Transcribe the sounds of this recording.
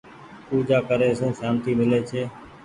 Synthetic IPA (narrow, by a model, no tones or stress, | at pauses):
puːd͡ʒaːkəɾeːəsũːsaːnt̪iːmɪleːt͡ʃʰeː